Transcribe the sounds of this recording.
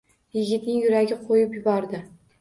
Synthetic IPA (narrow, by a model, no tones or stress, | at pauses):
jɪɡʲɪt̪nɪŋjʊɾaɡʲɪqʰojɪpjʊbɒɾd̪ɪ